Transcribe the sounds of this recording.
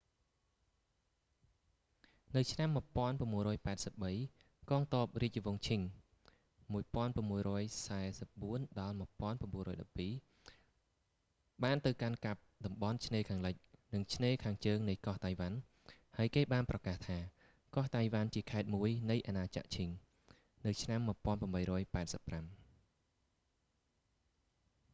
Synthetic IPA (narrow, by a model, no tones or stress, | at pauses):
nɨwt͡ɕʰnamːɨ̆əpŏənpramːuəjrɔːjpaɛt̪̚səp̚ɓəj | kɑːŋt̪oəp̚riəc̚t͡ɕiʋoŋt͡ɕʰiŋ | muəjpŏənpramːuəjrɔːəjsaɛsəp̚ɓuənɗɑlmɨ̆əpŏənpamɓuənrːʔɔːjɗɑpːiː | ɓaːnt̪ɨwkankap̚ɗɑmɓɑnt͡ɕʰneːkʰaːŋləc̚nɨŋt͡ɕʰneːkʰaːŋt͡ɕəːŋnɨjkɑht̪ajʋan | haəjkeːɓaːnprɑkaːht̪ʰaː | kɑht̪ajʋant͡ɕiəkʰaɛt̪̚muəjnɨjʔanaːt͡ɕa̰ʔt͡ɕʰiŋ | nɨwt͡ɕʰnamːɨ̆əpŏənprəmɓəjrɔːjpaɛt̪̚səpːram